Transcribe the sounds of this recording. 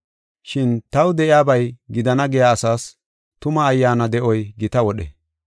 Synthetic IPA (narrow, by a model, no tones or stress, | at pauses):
ʃɪnt̪ɐwd̪ɛʔɪjaːbɐjɡɪd̪ɐnɐɡɛjaːsaːs | t̪ʊmɐːjːaːnɐd̪ɛʔɔjɡɪt̪ɐwɔɗɛ̰